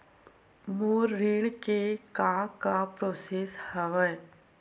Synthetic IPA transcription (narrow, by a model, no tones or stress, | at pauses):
muːɾːiːɽkekakapɾoːseshəʋəj